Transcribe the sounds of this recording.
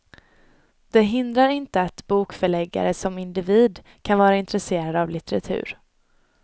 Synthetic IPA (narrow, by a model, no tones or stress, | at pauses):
d̪̥ɛɦɪnd̪ɾaɾɪnt̪əat̪buːkfœɭɛɡːa̰ɾəsɔmɪnd̪ɪviːd̪ | kʰanvɑːɾaɪnt̪ɾɛseːɾad̪avlɪt̪ɛɾa̰t̪ʰʉ̟̰ːɾ